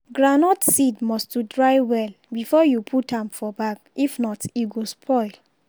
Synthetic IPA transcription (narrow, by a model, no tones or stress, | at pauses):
ɡɹanɔtsidmɔstjudɹaɪwɛl | bifɔjupʰutãmfɔbakifnɔtiɡospʰɔɪl